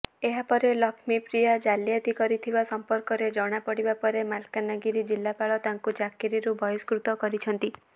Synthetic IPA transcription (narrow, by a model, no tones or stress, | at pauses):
eɦapɔɾelɔkʰmipɾijad͡ʒalijat̪ikɔɾit̪ʰibasɔmpɔɾkɔɾed͡ʒɔɽ̃apɔɽibapɔɾemalkanaɡiɾid͡ʒilːapaɭɔt̪aŋkut͡ʃakiɾiɾubʱɔjɔskɾut̪ɔkɔɾit͡ʃʰɔnt̪i